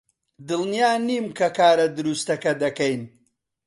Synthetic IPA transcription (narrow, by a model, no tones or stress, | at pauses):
d̪ɨlnijaːniːmkʰɐkaːɾɐd̪ɨɾust̪ɐkɐd̪ɐkɐjn